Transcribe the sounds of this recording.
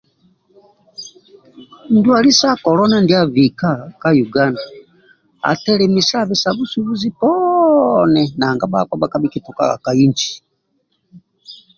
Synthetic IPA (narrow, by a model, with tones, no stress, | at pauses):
n̩˨˦du˦a˨li˦sa˦kɔ˨lɔ˦na˦ndi˦a˨vi˨ka˦ka˦ju˨ɡa˦nda˨ | a̰˨tɛ˦lɛ˨mi˨sa˦βi˨saβu˦su˦βu˦zi˦pɔ | nɛ˨naː˨ŋɡa˦ba̰˨kwa˦ba˦ka˦biki˨tu˨ka̰˨ɣa̰˨ka˨i˦ɲd͡ʒi̥˨